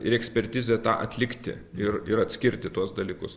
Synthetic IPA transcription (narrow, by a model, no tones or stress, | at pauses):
ɪɾɛksʲpʲɛɾʲt̪ʲiːzʲɛt̪ɑːʔɐt̪ʲlʲɪkt̪ʲɪ̰ | ɪɾɪɾɐt̪ʲsʲkʲɪɾʲt̪ʲɪt̪uɔsd̪ɐlʲiːkʊs